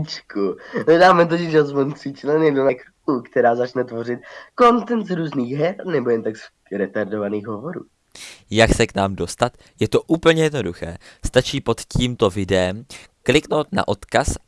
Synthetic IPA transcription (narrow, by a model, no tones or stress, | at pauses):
t͡ʃkunɛdaːmɛt̪̬ocɪʃazmont̪sɪt͡ʃlɛnjɛdunɛkɾkukt̪ɛɾaːzat͡ʃnɛt̪vo̞rɪt̪̚ko̞nt̪ɛnt̪zɾuːzniːɣɦɛɾnɛbojɛnt̪aks | ɾɛt̪aɾdovaniːɣɦovoɾṵː | jaksɛknaːmdo̞st̪at̪ | jɛt̪o̞ʔuːpl̩ɲɛjɛdno̞duxɛ̰ːst̪at͡ʃiːpo̞t̪ciːmt̪o̞vɪdɛɛmklɪkno̞wt̪na̰ʔot̪kas